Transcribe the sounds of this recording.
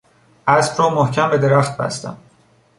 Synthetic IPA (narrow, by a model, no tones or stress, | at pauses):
ʔæsb̥ɾɒːmohcʰæmbe̞d̪e̞ɾæxt̪̚bæ̰st̪æ̰m